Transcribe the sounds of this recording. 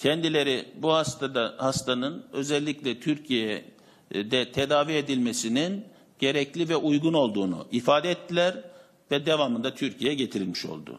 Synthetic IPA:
cʰɛnd̪ilʲe̞ɾibuhast̪aahast̪ʰanɯnø̞zɛlʲːiclʲɛt̪ʰyɾcʰijɛ | d̪ɛt̪ʰe̞d̪aːvie̞d̪ilʲmesinin | ɟ̥e̞ɾɛclʲivɛʔujɡuno̞lˠd̪uːnṵʔifaːd̪ɛɛt̪ʰːilʲæɾ | vɛd̪evamɯnd̪at̪ʰyɾcʰijɛɟe̞t̪ʰiɾilʲmiʃo̞̰lˠd̪ʊ̰

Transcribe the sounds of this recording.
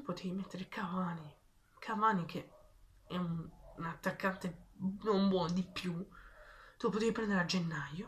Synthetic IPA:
t̪upːot̪ʰejmet̪ːeɾekʰavaːni | kʰavaːnikʰe | ɛunːnat̪ːakːant̪enombwɔnd̪ipːju | t̪upːot̪ejpɾɛnd̪eɾead͡ʒenːajo

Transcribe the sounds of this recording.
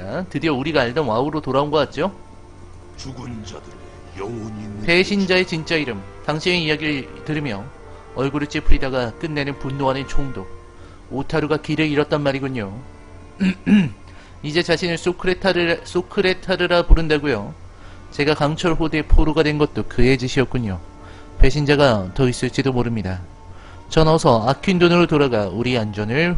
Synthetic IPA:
atɯdiʌuɾiɡaːɭdʌnwauɾotoɾaonɡʌk͈at̚t͡ɕ͈o | t͡ɕuɡund͡ʑɾ | pʰe̞ɕʰind͡ʑae̞t͡ɕint͡ɕ͈aiɾɯm | taŋɕʰieijaɡiɾɯɭtɯɾimjʌ | ʌɭɡuɾɯt͡ɕ͈ipʰɯɾidaɡak͈ɯnːe̞nɯnpunːoanent͡ɕʰoŋdo | otʰaɾuɡakiɾɯiɾʌt͈̚ʌnmaɾiɡuɲo | id͡ʑe̞t͡ɕaɕʰinɯɭs͈okʰɯɾetʰɾs͈okʰɯɾe̞tʰaɾɯɾapoɾɯndaɡujo | t͡ɕe̞ɡakaŋt͡ɕʰʌɭɸodepʰoɾoɡadwe̞nɡʌt̚t͈okɯe̞d͡ʑɯɕʰiʌt̚k͈uɲo | pe̞ɕʰind͡ʑaɡatʌis͈ɯɭt͡ɕ͈idomoɾɯmɲida | t͡ɕʌnʌsʰʌakʰindonɯɾotoɾaɡauɾiand͡ʑʌnɯɭ

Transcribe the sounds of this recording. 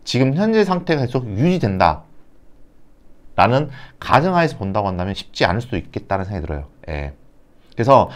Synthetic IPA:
t͡ɕiɡɯmçjʌnd͡ʑe̞sʰaŋtʰe̞ɡakesʰoɡ̚jud͡ʑidwe̞nda̰ | ɾanɯnka̰d͡ʑʌŋɦaesʰʌpondaɡoɦandamjʌnɕʰi̥p̚t͡ɕ͈ia̰nɯɭs͈udoik̚k͈e̞t̚t͈aɾansʰeŋɡaitɯɾʌ̰joje̞̰ | kɯɾesʰʌ

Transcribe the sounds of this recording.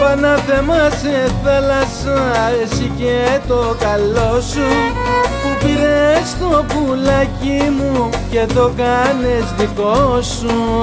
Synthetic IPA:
panɐθemɐseθalɐsãesicet̪okalosu | pupiɾest̪opulɐcimuceðokɐnezðikosu

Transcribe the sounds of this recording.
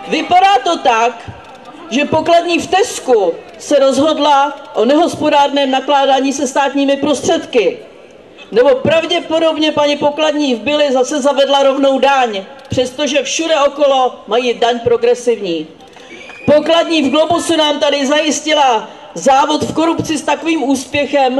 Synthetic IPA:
vɪpadaːt̪o̞t̪ak | ʒɛpo̞kladɲiːft̪ɛsku | sɛɾo̞zɦo̞dlaʔo̞nɛɦo̞spo̞daːrnɛːmnaklaːdaːɲiːsɛst̪aːt̪ɲiːmɪpɾo̞st̪r̥ɛt̪kɪ | nɛbo̞pɾavɟɛpo̞do̞bɲɛpaɲɪpo̞kladɲiːvbɪlɪzasɛzavɛdlaɾo̞vno̞wdaɲpr̝̥ɛst̪o̞ʒɛfʃudɛo̞ko̞lo̞majiːdaɲpɾo̞ɡɾɛsɪvɲiː | po̞kladɲiːvɡlobusunamt̪adɪzajɪscɪla | zaːvo̞t̪fko̞ɾupt͡sɪst̪akoviːmuːspjɛxɛm

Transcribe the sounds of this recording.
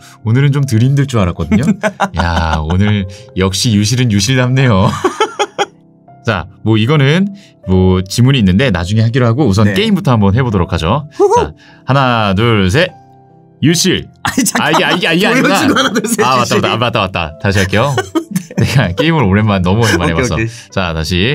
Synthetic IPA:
onɯɾɯnt͡ɕomtɯɾimdɯɭt͡ɕ͈uaɾak͈ʌdɯɲoja̰onɯɭjʌk̚ɕ͈ijuɕ̬ʰiɾɯnjuɕʰiɭdamne̞jo | t͡ɕa̰mwʌiɡʌnɯn | mwʌt͡ɕimuɾiːnːɯnde̞na̰d͡ʑuŋe̞haɡiɾoɦaɡous̬ʰʌnk͈e̞imbutʰʌhambʌnɦe̞bodoɾokʰad͡ʑoa̰ | hanadɯɭs̬ʰe̞ | juɕʰiɭaeaiɡaiɡeaaanadseawat͈abatamat͈awat̚t͈a̰taɕ̬ʰiaɭk͈e̞jone̞ɡak͈e̞imɯɾoɾe̞manːʌmuamːaɾewsʰʌ | t͡ɕataɕ̬ʰi

